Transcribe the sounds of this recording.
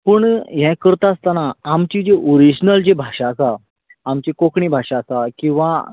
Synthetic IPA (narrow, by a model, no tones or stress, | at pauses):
pəɳɦɛ̃kəɾt̪aːst̪anaːmt͡ɕid͡ʑeʔoɾid͡ʑnəld͡ʑebʱaɕaːsaː | mt͡ɕekokɳibʱaʂasakĩw̃ʋa